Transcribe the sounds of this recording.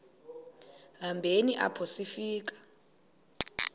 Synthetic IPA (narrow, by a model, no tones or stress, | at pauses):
ɦambʱeniʔa̰pʰosifiːk̬ʼḁ